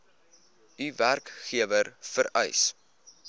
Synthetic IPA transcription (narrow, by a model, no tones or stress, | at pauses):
yværkχiəvərfəɾɛ̰js